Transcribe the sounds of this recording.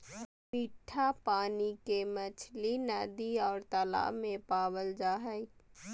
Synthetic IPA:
miːʈʰːapaːnikemət͡ʃʰlinəd̪iɔːɾt̪əla̰ːmẽpaːwəld͡ʒaːɦəi

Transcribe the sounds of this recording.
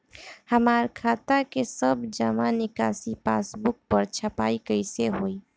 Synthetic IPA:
həmaːɾkʰat̪akesəbd͡ʒəmanɪkasipa̰sbʊk̚pəɾt͡ʃʰəpaikəɪseɦoːi

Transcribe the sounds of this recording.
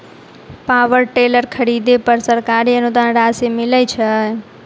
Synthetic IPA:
paʋəɾʈeləɾkʰəɾid̪epəɾsəɾkaɾiənud̪anɾasemilət͡ʃʰə

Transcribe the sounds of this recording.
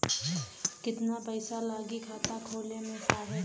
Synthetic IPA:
kɪt̪napəɪsalaːɡikʰaːt̪akʰoːlemẽsaːɦe

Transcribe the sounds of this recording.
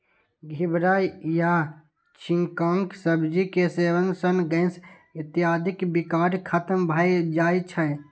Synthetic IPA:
ɡʱɪbɾaːjja | t͡ʃʰĩŋkãːŋksəbd͡ʒikeseːʋənsənɡə̃ɪ̃s | ɪt̪ijaːd̪ʱɪkbikaːɾkʰat̪əmbʱaːid͡ʒaːit͡ʃʰə

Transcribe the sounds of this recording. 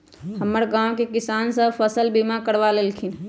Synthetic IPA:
həmːəɾɡãwkekɪsaːnsəbpʰəsəlbimakəɾʋalelkʰin

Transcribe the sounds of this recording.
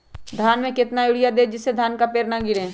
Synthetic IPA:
d̪ʱaːnmẽkɪt̪najʊɽɪjad̪eːd͡ʒɪsːed̪ʱaːnkapeːɾnaɡɪɾẽː

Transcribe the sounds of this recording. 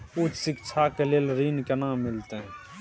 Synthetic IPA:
ut͡ʃsɪkt͡ʃʰakeleːlɾinkenamːɪlt̪eɦɛ̃

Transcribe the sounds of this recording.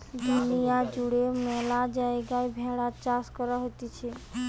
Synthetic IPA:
d̪unijad͡ʒuɽemɛlad͡ʒaeɡaebʱɛɭat͡ʃaskɔɾaɦot̪it͡ʃʰe

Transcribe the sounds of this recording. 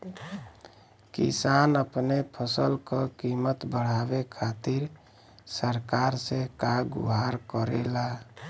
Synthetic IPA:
kḭsanəpnepʰəsəlkəkimət̪bəɽ̤abekʰat̪iɾ | səɾkaɾsekaɡṵɦaɾkəɾḛla

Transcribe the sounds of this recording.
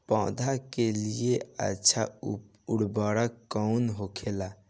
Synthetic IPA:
pɔ̰̃ːd̪ʱakelieə̰tːʃʰa | uɽbaɽəkːɔnɦokʰela

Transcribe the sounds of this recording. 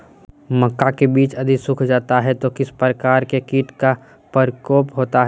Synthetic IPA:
məkːakebiːt͡ʃɐd̪ʱisʊkʰd͡ʒaːt̪aɦɛt̪okɪspɾəkaːɾkekiːʈka | pəɾkoːpɦoːt̪aɦɛ

